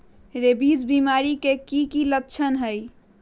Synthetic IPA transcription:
ɾebid͡ʒbimaɾikekikilətːt͡ʃʰənɦəj

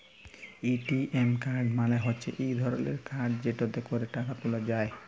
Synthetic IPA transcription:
iʈiʔemkaɾɖmaleɦotːɕʰḛʔejd̪ʱɔɾɔlḛɾkaɾɖd͡ʑeʈot̪ekoɾeʈakat̪ulad͡ʑae

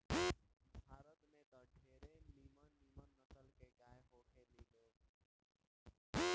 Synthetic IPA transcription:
bʱaːɾət̪mẽd̪əʈʰeɾenimənːimənːəsəlkeɡajɦokʰelid̪o

